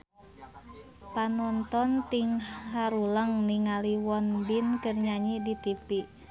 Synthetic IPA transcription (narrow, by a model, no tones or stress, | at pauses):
panɔnt̪ɔnt̪iŋɦaɾuləŋniŋaliwɔnbinkərɲaɲidit̪ipi